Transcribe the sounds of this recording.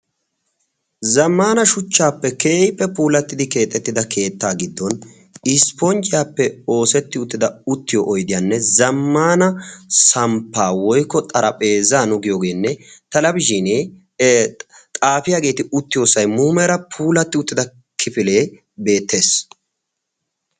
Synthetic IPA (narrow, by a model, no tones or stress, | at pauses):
zɐmːaːnɐʃʊt͡ʃːaːpːɛke̞ːjpːɛpuːlɐt̪ːɪd̪ɪke̞ːt̪ʼːɛt̪ːɪd̪ɐkʰe̞ːt̪ːaːɡɪd̪ːɔn | ɪspɔnt͡ʃʼɪjaːpːɛo̞ːsɛt̪ːɪʊt̪ːɪd̪ɐʊt̪ːɪjɔʔɔjd̪ɪjanːɛzɐmːaːnɐsɐmpːaːwɔjkːɔt̪ʼɐɾɐpʼe̞ːzaːnʊɡɪjoːɡe̞ːnːɛt̪ɐlɐbɪʒine | t̪ʼaːfɪjaːɡe̞ːt̪ɪʊt̪ːɪjoːsɐjmuːmɛɾɐpʰuːlɐt̪ːɪʊt̪ːɪd̪ɐ | kʰɪfɪle̞ː | be̞ːt̪ʰːe̞ːs